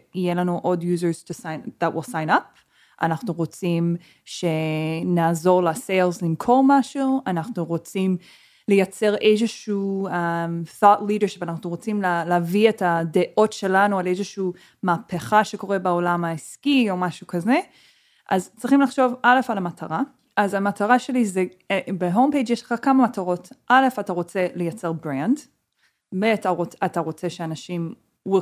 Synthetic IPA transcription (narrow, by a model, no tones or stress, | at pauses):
jelanuʔo̞djuzəz̥tusajnðat̚wilsajnap | ʔa̰naχnuʁo̞t͡sim | ʃenaːzo̞ʁlasejlzlimkʰo̞ʁmaʃuanaχnuʁot͡sim | lejat͡se̞ʁʔezeʃu | mθɔtlidəʃi̥panaχnuʁo̞t͡simlalavietadeʔo̞tʃe̞lanualezeʃuː | maːpeχaʃe̞ko̞ʁebeolamaiskio̞maʃukaze | ʔazt͡sʁiχimlaχʃo̞valefalamatʰaʁa | ʔazamatʰaʁaʃe̞lize | beɦompejd͡ʒjeʃleχakamamataʁo̞tʔalefataʁo̞t͡se̞lejat͡seʁbʁand | veataʁoataʁo̞t͡seʃeanaʃim | w